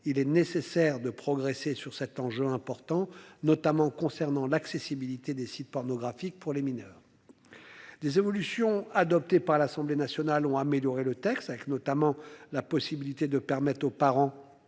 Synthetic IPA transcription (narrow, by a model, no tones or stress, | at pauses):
ilɛnesesɛʁd̪əpχɔɡʁesesyʁsɛt̪ɑ̃ʒøɛ̃pɔʁt̪ɑ̃nɔt̪amɑ̃kɔ̃sɛʁnɑ̃laksesibilit̪ed̪esit̪̚pɔʁnɔɡʁafik̚puʁleminœːʁ | d̪ezevɔlysjɔ̃ad̪ɔp̚t̪epaʁlasɑ̃blenasjɔnalɔ̃ameljɔʁelət̪ɛkst̪avɛknɔt̪amɑ̃lapɔsibilit̪ed̪əpɛʁmɛt̪χopaʁɑ̃